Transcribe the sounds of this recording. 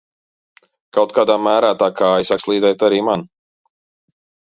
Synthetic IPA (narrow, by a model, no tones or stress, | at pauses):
kawt̪̚kaːd̪aːmæːɾaːt̪aːkʰaːjsakslˠiːd̪ɛjt̪aɾiːman